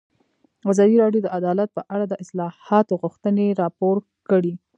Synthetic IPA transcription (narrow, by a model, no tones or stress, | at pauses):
azɑd̪iɾɑɖjod̪əʔad̪ɑlat̪̚pəʔaɽad̪əʔɪslɑhɑt̪oɣʊxt̪əneɾɑpoɾ | kəɽi